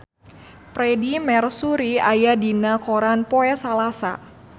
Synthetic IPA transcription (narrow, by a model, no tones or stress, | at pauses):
pɾɛdimɛrsuɾiajadinakoɾanpɔɛsalasa̰